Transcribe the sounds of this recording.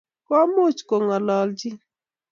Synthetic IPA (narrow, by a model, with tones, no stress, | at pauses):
kɔ˦mʊ˦t͡ʃko˨ŋɔ˨lɔ˨ld͡ʒɪ˦